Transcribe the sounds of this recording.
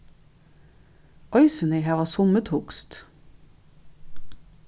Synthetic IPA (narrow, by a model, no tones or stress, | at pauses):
ʔɔʏsənɛhæːʋɑːsʊmət̪hʊkst̪